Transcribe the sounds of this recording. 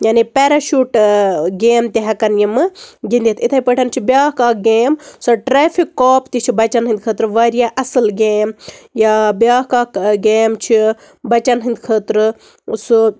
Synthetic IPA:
jaːnipeːɾɐʃuʈɡeːmt̪ʲiɦɐkɐnjimɨɡind̪et̪ʰit̪ʰɐipəʈʰɐnt͡ʃʰibʲjaːkaːɡeːmsɐʈɾeːfʰikːoːpt̪it͡ʃʰibɐt͡ʃɐnɦɨ̃nd̪̚kʰət̪ɾɨʋɐɾijaʔɐsɨlɡeːmjabjaːɦkaːkɡeːmt͡ʃʰi | bɐt͡ʃɐnɦɨnd̪kʰəːt̪ɾɨ | su

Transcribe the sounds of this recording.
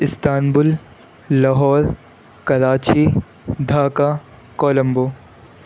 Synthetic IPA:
ɪst̪aːnbʊlː | ɐɦɔːɾ | kɐɾaːt͡ʃi | d̪ʱaːka | koːlɐ̃mboː

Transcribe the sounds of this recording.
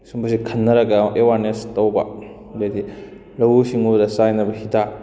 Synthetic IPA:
sumbɐsikʰɐnːɐɾɐɡɐʔewaɾnestɐwbɐ̰ | ledi | lɐwusiŋubdɐsajnɐbɐhita

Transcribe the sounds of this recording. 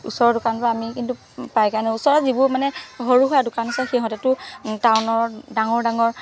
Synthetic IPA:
ṵsɔɹɔdʊkanpɔaamikintu | pajkaɹnɛusɔɹɔzibumanɛɦoɹuɦojadʊkanɔsɛxeɦɔ̃tɛtʊtawnɔɹdaŋɔɹdaŋɔɹ

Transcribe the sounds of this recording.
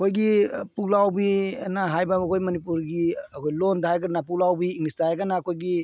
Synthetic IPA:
kʰojɡipulawbinaɦajbabɐkʰojmɐnipuɾɡiɐkʰojlondaɦajɡɐnapulawbiːŋnistaaɡanaːkʰojɡi

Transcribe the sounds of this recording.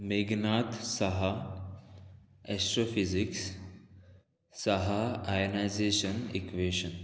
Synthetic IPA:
meːɡnaːt̪sɐɦa | ɛsʈɾoːfiziks | sɐɦaajonajzeːʃənikʋeːʃən

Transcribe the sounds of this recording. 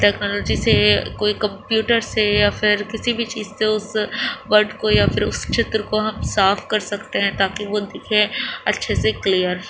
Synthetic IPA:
ʈɛːknɔːlɔːd͡ʒisekoːikɐ̃mpjuːʈəɾsejafʰɪɾkɪsibʱit͡ʃiːzseʊsʋɐɾɖkojafʰɪɾʊ̰sʃʰeːt̪ɾəkoɦɐmsaːfkɐɾsɐkt̪eɦɛ̃t̪aːkiʋod̪ɪkʰẽɐtːʃʰeseklijəɾ

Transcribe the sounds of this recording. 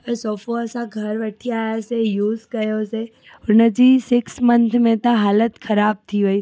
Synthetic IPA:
sɔːfoəsãɡʱɐɾʋəʈʰiaːjasejuːzkɐjose | ʊnəd͡ʑisɪksmənt̪ʰmẽt̪ãɦaːlət̪kʰɐɾaːb̚t̪ʰiʋoi

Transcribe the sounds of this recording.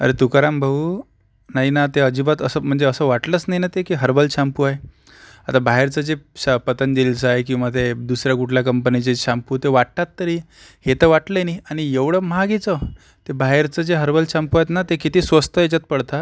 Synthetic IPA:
ə̰ɾet̪ukaɾambʱəuː | naɦinat̪eəd͡ʑibat̪əsəm̤əɳd͡zeəsəʋaʈlət͡snaɦinat̪ekiɦəɾbəlɕampuaj | at̪abʱaɦeɾt͡səd͡zeɕapət̪ənd̪elt͡səajk̬ĩw̃ʋat̪ed̪usɾjakuʈʰljakəmpənit͡seɕampuːt̪eʋaʈʈat̪ːəɾiː | het̪əʋaʈləniaɽ̃ijeʋɽəːmaɡit͡sə | t̪ebaɦeɾt͡səd͡zeɦəɾbəlɕampuajt̪nat̪ekit̪iːsʋəst̪əet͡ɕat̪̚pəɽt̪a

